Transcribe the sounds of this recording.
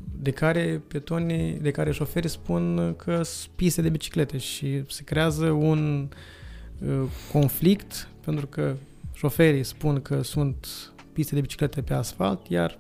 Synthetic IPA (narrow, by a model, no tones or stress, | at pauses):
d̪e̞kaɾe̞pet̪onʲid̪e̞kaɾeʃo̞fe̞ɾispunkʰəpist̪ed̪e̞bit͡ʃi̥kle̞t̪e̞ʃise̞kɾe̞azəun | əko̞nflikt̪pe̞nt̪ɾukə | ʃo̞fe̞ɾijspunkʰəsunt̪ | pist̪ed̪e̞bit͡ʃi̥kle̞t̪epe̞asfa̰lt̪ja̰r